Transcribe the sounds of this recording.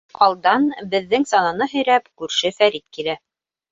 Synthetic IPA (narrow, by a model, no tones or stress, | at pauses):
qɑlˠd̪ɑnbɘ̆ðːɘŋsɑnɑnɤɦɵ̆jɾæpkʉɾʃɘfæɾit̪̚kilæ